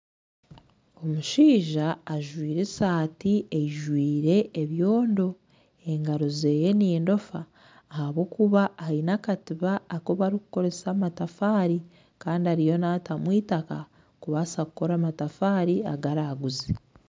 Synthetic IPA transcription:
o̞muʃiːʒaːʒwiːɾesaːtieiʒwiːɾe̞ʔːβjo̞ːndo̞ | e̞ŋɡaɾoze̞ːje̞niːndo̞faː | haβwo̞kuβaainakatiβaːko̞βaɾiku̥ko̞ɾe̞saːmatafaːɾi | kaːndiaɾijo̞natamwiːtaka | kuβasakuko̞ɾaːmatafaːɾiaɡaɾaːɡuzi

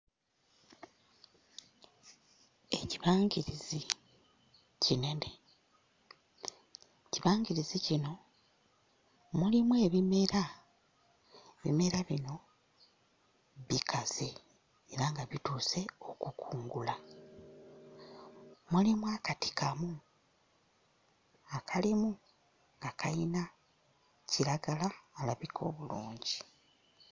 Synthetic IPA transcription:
e̞ciβaːŋɟiɾizi | cine̞de | ciβaːŋɡiɾizicino̞ | mulimwe̞ːβimeɾa | eβḭme̞ɾaβino̞ | βikʰaz̥e̞ː | ɾaŋɡaβituːse̞o̞kukuːŋɡula | mulimwaːkati̥kʰamu | akʰalimu | ŋɡakʰajina | ciɾaɡalaːlaβikʰo̞ːβuluːɲɟi

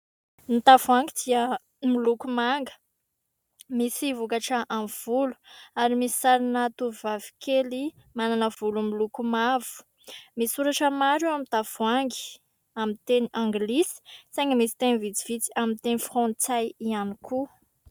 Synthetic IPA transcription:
nit̪avaŋɡid̪̥iə | milukumaŋɡə̥ | misivukaʈ͡ʂəʔamv̥ulu̥aɾimisi̥saɾinət̪uvivavi̥kʰeli | mananəv̥ulumilukumav̥u̥ | misuɾaʈ͡ʂəmaɾuamit̪av̥uaŋɡi̥ | amit̪eniʔãŋɡlisi̥sajŋəmisi̥t̪enivit͡si̥v̥it͡si̥amint̪enifrɔ̃nt͡sajianikʰu

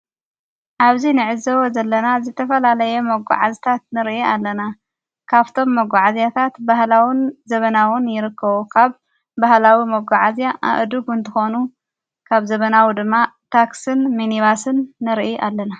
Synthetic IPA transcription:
ʔaβzinɨʕɨzɐwozɐlːɐnazɨt̪ʰɐfɐlalɐjɛmɐɡʷa̰ʕazit̪ʰat̪̚nɨɾʔiʔalːɐna | kʰaβt̪ʰo̞mːɐɡʷaʕazjat̪ʰat̪bahlawinzɐβɐnawʊnjɪɾɨkʰːɐβukʰaβ | bahlawimɐɡʷaʕazjaʔa̰ʔd̪uɡɨnt̪ʰɨxo̞nu | kʰaβzɐβɐnawid̪ɨmːat̪ʰaksɨnminiβasɨnːɨɾiʔʔalːɐna

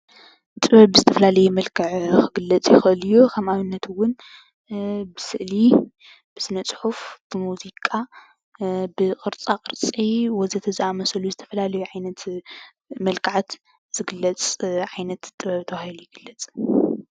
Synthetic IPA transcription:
t̪ʼɨβɐβbɨzɨt̪ʰɐfɐlalɐjumɐlkʰɐʕkʰɨɡɨlːɐt͡sʼjɪxʔɨljukʰɐmaβɨnːɐt̪ʰwʊn | bɨsɨʔli | b̥ɨsɨnɐt͡sʼħufb̥ɨmuzikʼa | bɨqʼɨɾt͡sʼaqʼɨɾt͡sʼiwɔzɐt̪ʰɐzɨamɐsɐluzɨt̪ʰɐ̥fɐlalɐjuʕajnɐt̪ | mɐlkʰɨʕat̪ | z̥ɨɡɨlːɐt͡sʼʕajnɐt̪t̪ʼɨβɐβt̪ʰɐβahilujɪɡ̥ɨlːɐt͡sʼ

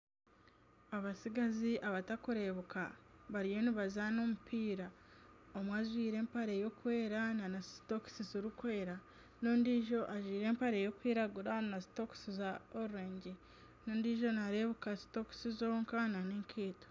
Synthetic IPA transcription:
aβasiɡaziʔaβatakuɾe̞βukaβaɾijo̞niβazano̞mupʰiːɾa | omwaʒwiːɾe̞ːmpaɾejo̞kwe̞ːɾananastoksizoɾukwe̞ːɾa | no̞ːndiːʒo̞ʔaʒwiːɾe̞ːmpaɾejo̞kwiːɾaɡuɾanasi̥to̞ku̥sizaoɾuɾeːɲɟe | no̞ːndiːʒo̞naɾeβukasi̥to̞ku̥sizoŋkananeːŋkʰeːto̥

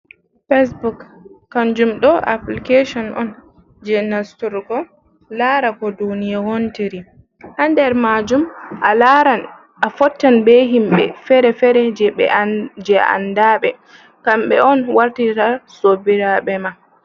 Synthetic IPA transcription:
fes̬bukːand͡ʒumɗɔʔa̰plikeʃɔnʔɔ̰n | d͡ʒɛnastuɾɡɔ | laɾakɔdunijahontiɾi | handɛɾmad͡ʒumʔaan | afɔtːanbɛɦimɓɛ̰fɛɾɛfɛɾɛd͡ʒɛɓɛ̰d͡ʒɛa̰ndaɓɛ | kamɓɛ̰ʔɔnwaɾtitasobiɾaɓɛma

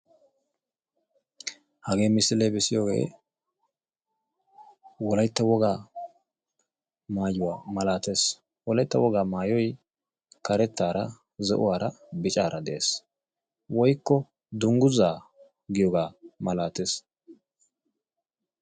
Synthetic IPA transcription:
hɐɡe̞ːmɪsɪlebɛsɪjoːɡe̞̰ː | wɔlɐjt̪ːɐwɔɡaː | maːjʊwaːmɐlaːt̪e̞ːs | wɔlɐjt̪ːɐwɔɡaːmaːjɔj | kɐɾɛt̪ːaːɾɐ | zɛ̰ʔʊ̰waːɾɐ | bɪt͡ʃʼaːɾɐd̪ɛʔeːs | wɔjkːɔ | d̪ʊŋɡʊzaː | ɡɪjɔɡaːmɐlaːt̪e̞ːs

